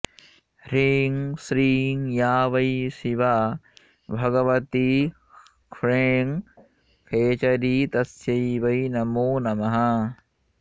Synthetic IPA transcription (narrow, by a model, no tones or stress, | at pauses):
ɾiŋsɾiːŋjaːʋɐjsiʋa | bʱɐɡɐʋɐt̪i | kʰɾeːŋ | kʰeːt͡ʃɐɾiːt̪ɐsjɐjʋɐjnɐmoːnɐmɐɦɐ